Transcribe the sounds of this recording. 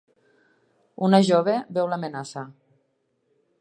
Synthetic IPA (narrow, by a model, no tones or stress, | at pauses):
unaʒoβebɛwlamenasa